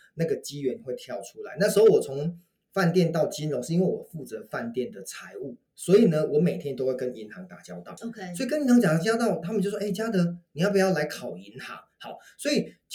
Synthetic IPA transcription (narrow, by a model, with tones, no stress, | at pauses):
na˥˩ɡə˩t͡ɕi˦˥ɥɛ˧˦nxwe˥˧ɪt̪ʰjɑ˥˩ʊʈ͡ʂʰu˥la̰˧˦ɪna˥˩ʂ̩˧˥ho˥˩ʊwɔ˨˩t͡sʰʊ˧˦ŋ | fa˥˧nt̪jɛ˥˧nt̪ɑ˥˩ʊt͡ɕi˥nlo˧˦ʂ̩˥˧i˥nwe˥˩wɔ̰˨˩fu˥˩t͡sɤ˧˦fa˥˧nt̪jɛ˥˩nd̪ə˩t͡sʰa˧˥ɪu˥˩ | swɔ˧˥i˨˩nə˦wɔ˧˥˦me˨˩ɪt̪ʰjɛ˦nt̪o˥ʊwe˥˩ɪkə˦ni˧˥nxɑ˧˦ŋt̪a˨˩t͡ɕjɑ˥ʊt̪ɑ˥˩ʊsswɔ˥i˨kə˥ni˧˥nʰa˧˥ŋt͡ɕ̪a˨˩t͡ɕjɑ˥ʊt̪ɑ˥˩ʊt̪ʰa˥mə˨t͡ɕjʂe˥˩ɪt͡ɕja˥d̪ə˧˦ni˨jpu˨˩jɑ˥˩ʊla˧˥ɪkʰɑ˨˩ʊi˧˦nxɑ̰˧˥ŋhɑ˧˦ʊswɔ˧˥i˨˩t͡ɕ